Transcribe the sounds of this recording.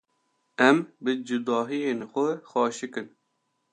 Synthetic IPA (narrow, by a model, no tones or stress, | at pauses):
ɛmbɨd͡ʒʊd̪ɑːɦijenxʷɛxɑːʃɨkɨn